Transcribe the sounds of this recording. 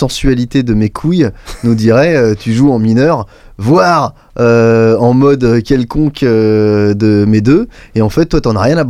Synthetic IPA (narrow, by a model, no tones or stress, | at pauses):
ɑ̃sɥalit̪ed̪əmekʰujnud̪iʁɛøt̪yʒuɑ̃minœʁ | vwaʁ | øɑ̃mɔd̪økʲɛlkɔ̃kød̪əmed̪øeɑ̃fɛt̪̚ːwat̪yɑ̃naʁjɛ̃nab